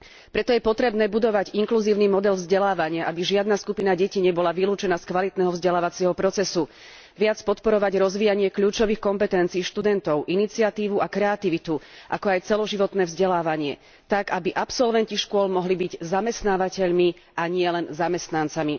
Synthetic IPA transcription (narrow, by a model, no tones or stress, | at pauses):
pɾɛt̪ɔjɛpɔt̪ɾɛbnɛːbud̪ɔʋaɟiŋkluziːʊnimɔd̪ɛlvzɟɛlaːʋaɲɪaʔabiʒɪad̪naskupinaɟɛciɲɛbɔlaʋiluːt͡ʃɛnaːskʋalit̪nɛːɦɔvzɟɛlaːʋat͡siɛɦɔpɾɔt͡sɛsu | ʋɪat͡spɔt̪pɔɾɔʋaɟɾɔzʋiːjaɲɪɛkʎuːt͡ʃɔʋiːxkɔmpɛt̪ɛnt͡siːʃt̪ud̪ɛnt̪ɔʊʔinit͡siat̪iːʋuakɾɛat̪iʋit̪uʔa̰kɔajt͡sɛlɔʒiʋɔt̪nɛːvzɟɛlaːʋaɲɪɛ̰ | t̪aɡabiʔapsɔlʋɛnciʃkʊɔlmɔɦlibiɟzamɛst̪naːʋacɛʎmi | aɲɪɛlɛnzamɛst̪nant͡sami